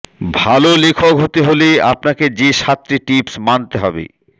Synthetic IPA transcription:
bʱalolekʰokɦot̪eɦoleapnaked͡ʑeʃat̪ːɾiʈipsmant̪eɦɔbḛ

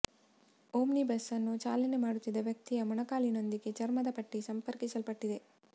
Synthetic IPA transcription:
oːmnibɐsːɐnːut͡ʃaːlɐne̞maːɽut̪ːid̪ɐʋjɐk̚t̪ijɐmɐɳɐkaːlino̞nd̪iɡe̞t͡ʃɐɾmɐd̪ɐpɐʈːisɐmpɐɾkisɐlpɐʈːid̪e̞

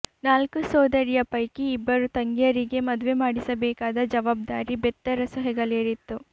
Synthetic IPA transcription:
naːlkusɔːd̪ɐɾijɐpɐjkiːbːɐɾut̪ɐŋɡjɐɾiɡe̞mɐd̪uʋe̞maːɽisɐbɛːkaːd̪ɐd͡ʒɐʋaːb̚d̪aːɾibɛt̪ːɐɾɐsɐɦɛɡɐɭeːɾit̪ːu

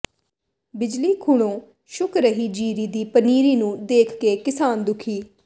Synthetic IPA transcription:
bɪd͡ʒliːkʰʊɽõː | ʃʊkʰɾəɦiːd͡ʒiːɾiːd̪iːpəniːɾiːnũːd̪eːkʰkeːkɪsaːnd̪ʊkʰiː

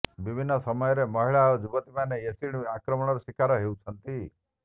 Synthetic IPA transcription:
ʋibʱinːəsəməjɔɾeməɦiɭad͡ʒubət̪imaneesiɳakɾəməɳ̃ɔɾusikaɾɔɦeut͡ʃʰənt̪i

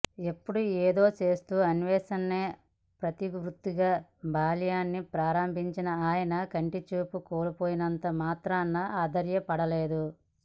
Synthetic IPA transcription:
e̞pːuɽuɛːd̪o̞ːt͡ʃe̞ːst̪uːɐnʋɛːsɐnːe̞ː | pɾɐt̪iʋɾut̪ːiɡaːbʱaːlijaːnːipɾaːɾɐmbʱiɲt͡ʃinɐaːjɐnɐkɐɳʈit͡ʃuːpukoːlupo̞ːjinɐnt̪ɐmaːt̪ɾaːnːɐaːd̪ɐɾjɐpɐɽɐle̞ːd̪u

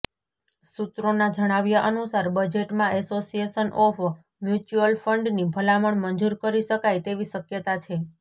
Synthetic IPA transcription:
sut̪ɾonad͡ʒəɽ̃aʋjaʔənusaɾbəd͡ʒeʈmãʔɛsosieʃənʔɔf | mjut͡ʃuəlfəɳɖnibʱəlaməɳmənd͡ʒuɾkəɾiʃəkajt̪eʋiʃəkjət̪at͡ʃʰe

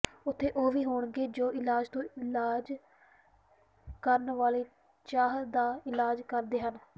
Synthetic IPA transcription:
ʊt̪ʰːeːʔoːʋiːɦoːɳɡeːd͡ʒoːʔɪlaːd͡ʒt̪õːɪlaːd͡ʒ | kəɾnʋaːleː | t͡ʃaːɦd̪aːɪlaːd͡ʒkəɾd̪eːɦən

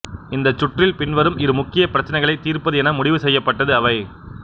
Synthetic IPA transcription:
ɪnd̪ɐt͡ʃːʊʈrɪlpɪnʋɐɾɯmɪɾɯmʊkːɪjɐpɪɾɐt͡ʃːɐnɐɪɣɐɭɐɪt̪ːiːɾpɐðɯɛnɐmʊɽɪʋɯsɛjːɐpːɐʈːɐðɯɐʋɐɪ

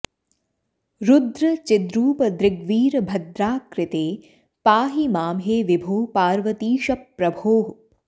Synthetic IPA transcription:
ɾʊd̪ɾɐt͡ʃɪd̪ɾuːpɐd̪ɾɪɡʋiːɾɐbʱɐd̪ɾaːkɾɪt̪eː | paːɦimaːmɦeːʋibʱoːpaːɾʋɐt̪iːʃɐpːɾɐbʱoːɦ

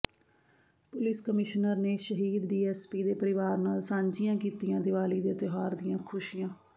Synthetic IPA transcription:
pʊlɪskəmɪʃnəɾneːʃəɦiːd̪ɖiːɛːspiːd̪eːpəɾɪʋaːɾnaːlsãːɲd͡ʒɪjãːkiːt̪ijãːd̪ɪʋaːliːd̪eːt̪ɪɦaːɾd̪ɪjãːkʰʊʃijãː

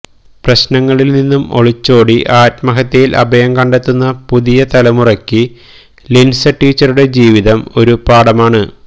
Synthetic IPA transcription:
prɐɕnɐŋːɐɭilninːumoɭit͡ɕːo̞ːɽiʔaːtmɐɦɐt̪ːejilʔɐ̰bɐjɐmkɐɳɖet̪ːunːɐpuðijɐt̪ɐlɐmurɐkʲːɨ | linsɐʈːiːt͡ɕːɐɾuɽe̞d͡ʑiːʋiðɐmo̞ɾupaːɽɐmaːɳɨ

